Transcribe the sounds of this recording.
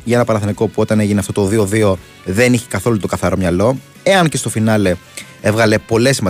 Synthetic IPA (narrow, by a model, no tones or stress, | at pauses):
ʝɐenɐpɐnɐθeniko̞puo̞t̪ɐne̞ʝineɐft̪o̞t̪oðio̞ðio̞ | ðeniçekɐθo̞lut̪okɐθɐɾo̞mɲɐlo̞ | e̞ɐnce̞st̪ofinɐle̞ | evɣɐle̞po̞le̞simɐ